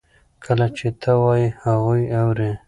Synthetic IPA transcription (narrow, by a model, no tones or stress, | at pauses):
kʰəlat͡ʃet̪ʰəwɑjihaɣujawɾe